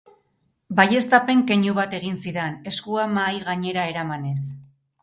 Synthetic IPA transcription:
baje̞st̪ape̞ŋke̞ɲuβat̪e̞ɣ̞insiðene̞skuamajɣaɲe̞ɾae̞ɾamane̞s

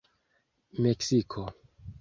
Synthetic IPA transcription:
meksikʰo

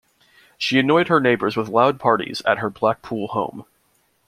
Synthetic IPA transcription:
ʃiɨnɔɪd̚ə˞neɪbə˞zwəðlaʊd̚pʰɑɹɾḭz̥ɨ̰t̚ɦə˞blæk̚pʰulˠhõʊ̃m

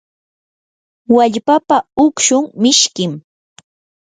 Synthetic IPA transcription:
waʎpapaʊkʃʊŋmɪʃkɪm

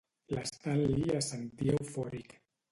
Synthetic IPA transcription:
last̪alːiasaŋd̪jewfoɾik

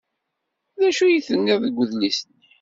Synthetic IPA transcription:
ðæʃujiθənːiðˤəɡʷːəðlisən

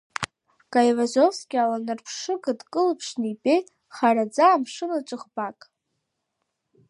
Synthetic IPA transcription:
kʼajvazofskʲʼɪalanɨrpʰʂɨɡɨdkʼɨlpʰʂnipʲʼej | χarad͡zaːmʂɨnat͡ʃʷʼɨχbakʼ

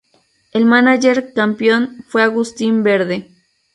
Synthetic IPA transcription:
elmanaʝeɾkampjonfweaɣust̪imbeɾðe

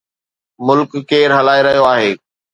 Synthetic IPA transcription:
mʊlkːeːɾɦɐlaːeɾɐɦijoaːɦeː

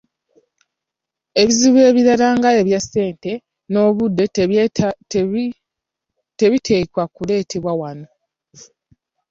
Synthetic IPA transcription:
e̞βiziβwe̞ːβiɾalaːŋɡae̞βjasːe̞ːnte̞ | no̞ːβudːe̞ | te̞βitʰe̞ːkwakule̞ːtʰe̞βwawano̞

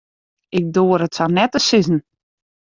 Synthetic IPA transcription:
ɪk̚doːəɾətsanɛtəsɪzn̩

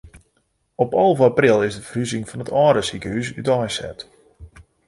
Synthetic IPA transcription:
ɔpɔlˠvəaprɪlˠɪzdəfəryzɪŋfɔnətɔːɾəsikəysy̰tɔjsɛ̰t

